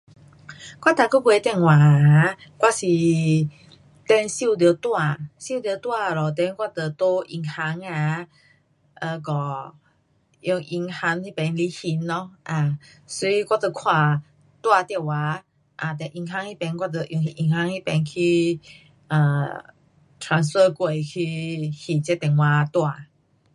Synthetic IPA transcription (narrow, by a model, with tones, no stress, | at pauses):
kwa˦˥t̪a˨ko˦ɡwe˧˦t̪ɛ˥˧˨ŋwa˨˦˨ | kwa˦˥si˨ | t̪ɛ˧˦nsi˥˧˨t̪̬jt̪wa˧˨si˥˧˨t̪jt̪wa˥˧lɔ˨t̪ɛ˧˦nkwa˦˧t̪ə˨˩t̪o˦ʔi˧˩ŋha˧˦ŋa˧˦ | ʔə˧ɡɔ˨˩ | jɔ˧ŋʔi˧˩ŋha˧˦ŋi˦˧pɛ˨˧˦nli˧˦hi˧˦nlɔ˧˦ʔa˨˩ | sɔ˧i˧˦kwa˧t̪ə˧kʰwa˥˧˩ | t̪wa˧t̪ja˧˨wa˨˦ | ʔa˨˩t̪̬ɛ˨˧ʔi˧ŋɦa˧˦ŋi˦˥pɛ˧nkwa˦˧t̪ə˧ʔjɔ˧˩ŋi˧ʔi˧˩ŋha˧˦ŋi˦pɛ˧˦nkʰi˧ | ʔə˨˩ | tʰa˨˦nsfə˥˧kwe˨˩jkʰi˧hi˧˩t͡ɕɛ˧˦t̪ɛ˨˩ŋwa˧t̪wa˥˧˨